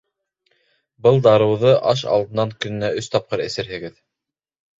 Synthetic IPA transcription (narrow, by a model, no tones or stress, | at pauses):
bɤlˠd̪ɑɾɤ̆wðɤʔɑʃɑ̰lˠd̪ɤ̆nːɑŋkɵ̆nɘ̆næɵst̪ɑp̚qɤɾɘ̆sɘ̆ɾhɘ̆ɡɘð